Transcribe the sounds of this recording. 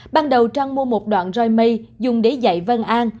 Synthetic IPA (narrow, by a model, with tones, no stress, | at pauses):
ɓaː˧nɗə˨˩wt͡ɕaː˧ŋmu˧əmo˨˩t̚ɗwa̰ː˧˨nzɔ˧jmə˧jzʊ˨˩ŋ͡mɗe˨˦za̰˧˨jvə˧nʔaː˧n